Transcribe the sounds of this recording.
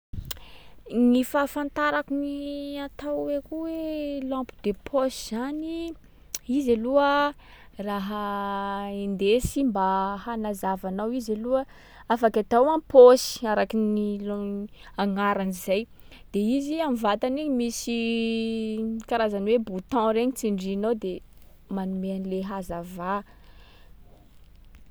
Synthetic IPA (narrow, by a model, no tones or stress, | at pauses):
ŋifafant̪aɾakuniat̪awekuwelɔ̃mpu̥d̪epʰosiz̥ani | izaluə | raɦa | end̪esimbahanazavanawizaluə | afakʲat̪awãposi̥aɾakiniloaŋaɾanizaj | d̪̥eiziamivat̪aniɲmisi | kaɾazanwebut̪ɔ̃ɾeɲit͡siɳɖ͡ʐinowd̪e | manumeanleɦazava